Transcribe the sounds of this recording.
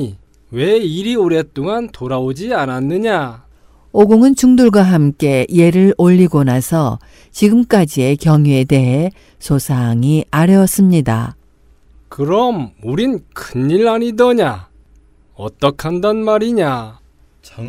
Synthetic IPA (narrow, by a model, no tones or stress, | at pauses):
we̞iɾioɾe̞t͈oŋantoɾaod͡ʑiananːɯɲa | oɡoŋɯnt͡ɕuŋduɭɡwaɦamk͈e̞ie̞ɾɯɭoʎːiɡonasʰʌ | t͡ɕiɡɯmk͈ad͡ʑie̞kjʌŋue̞de̞ɦe̞ | sʰosʰaŋiaɾjʌs͈ɯmɲida̰ | kɯɾʌmuɾinkʰɯniɾaɲidʌɲa | ʌ̰t͈ʌkʰandʌnmaɾiɲa